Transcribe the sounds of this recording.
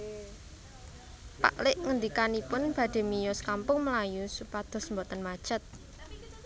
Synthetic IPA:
pa̰ʔlɪʔŋənd̪ikanipʊnb̥ä̤ɖ̪̥e̤mijɔskampʊŋməlajusupad̪̥ɔ̤smbot̪ənmḁʒ̥ə̤t̪̚

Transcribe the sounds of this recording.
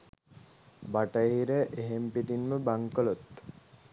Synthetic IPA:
baʈəɦiɾəʔeɦempiʈinməbaŋkəlot̪

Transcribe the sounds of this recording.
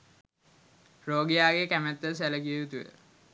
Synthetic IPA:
roːɡijaːɡekæmæt̪ːəs̬æləkiəjut̪ujə̰

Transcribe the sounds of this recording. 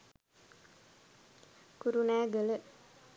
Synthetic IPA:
kuɾunæːɡələ

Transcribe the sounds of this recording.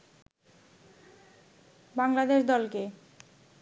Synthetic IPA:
baŋlad̪eʃd̪ɔlke

